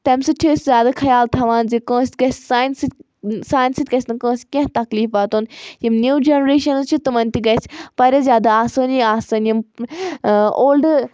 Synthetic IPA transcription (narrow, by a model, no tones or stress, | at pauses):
t̪ɐmsɐtʰoːsʲzʲjaːd̪akʰɐjaːlt̪ʰɐʋaːnzikõːsʲɡɐsaːins | saːjnsit̪ʲkɐsʲnɐkõːsʲkʲɐ̃ɦt̪ɐkliːfbaːt̪oːnjimnʲuːd͡ʒenɾeːʃɐnt͡ʃʰit̪umɐnt̪iɡɐspɐɾʲɐzʲjaːd̪aaːsɐːniaːsɐːnjim | oːlɖ